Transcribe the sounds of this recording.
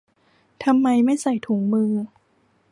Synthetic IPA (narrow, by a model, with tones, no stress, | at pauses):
t̪ʰa˧mːa˧jma˥˩jsa˨˩˦jt̪ʰuː˩˦ŋmɯ˧ŋ